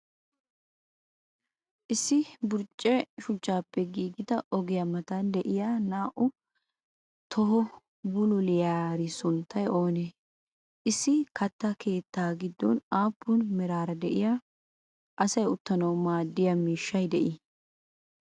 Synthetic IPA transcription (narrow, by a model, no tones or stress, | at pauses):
ʔɪsːɪbʊɾt͡ʃʼːɛʃʊt͡ʃʼːaːpːɛɡiːɡɪt̪ɐʔɔɡɪjamɐt̪ɐd̪ɛʔɪjanaːʔʊ | t̪ʰɔɦɔ | bʊlʊlɪjaːɾɪsʊnt̪ʰːɐjo̞ːne | ʔɪsːɪkɐt̪ːɐkʰe̞ːt̪ːaːɡɪd̪ːɔ̰naːpʰːʊnmɛɾaːɾɐd̪ɛʔɪjaː | ʔɐsɐjʊt̪ːɐnɐwmaːd̪ːɪjɐmiːʃːɐjd̪ɛʔɪ